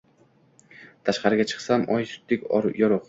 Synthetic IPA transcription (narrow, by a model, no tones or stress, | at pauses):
t̪ʰaʃqɑɾɪɡʲat͡ʃʰɨ̥qsamʔɒjsʊ̥t̪ːɪkʲjɒɾoq